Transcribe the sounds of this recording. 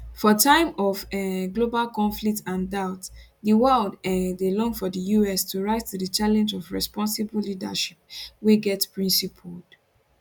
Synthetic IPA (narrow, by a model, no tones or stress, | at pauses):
fɔtʰãɪ̃mɔvɛɡlobalkɔ̃nflik̚tʰãndaʊt | ðəwɜldɛdelɔ̃ŋfɔdəjuɛstʰuɹaɪtːudət͡ʃalɛ̃nd͡ʒɔvɹɛspɔ̃nsibəllidə̰ʃi̥p̚weɡɛtpʰɹĩnsipʰəld̥